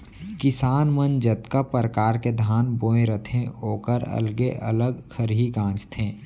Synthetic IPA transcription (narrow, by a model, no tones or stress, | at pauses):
kɪsaːnmənd͡ʒət̪kapɾəkaːɾked̪ʱaːnboːẽɾət̪ʰẽoːkəɾə̰lɡeʔə̰ləɡkʰəɾɦiɡãːt͡ʃt̪ʰẽː